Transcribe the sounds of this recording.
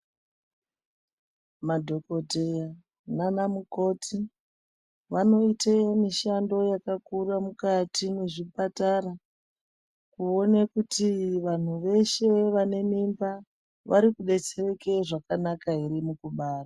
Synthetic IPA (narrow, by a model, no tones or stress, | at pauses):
madʱo̞ko̞teja | nanamuko̞tʰi | ʋano̞itemiʃando̞jakakuramukatʰine̞ʐipatara | kuo̞nekutiʋan̤uʋe̞ʃe̞ʋane̞mimba | ʋʔa̰ɾikuɗe̞t͡sere̞ke̞ʐakanakaɦiɾimukuɓaːra